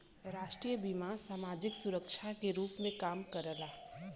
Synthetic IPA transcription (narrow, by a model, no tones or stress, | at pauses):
ɾaːʃʈɾiːjəbimasaːmaːd͡ʒɪksʊɾəkʃʰakeɾuːpmẽkaːmkəɾəlaː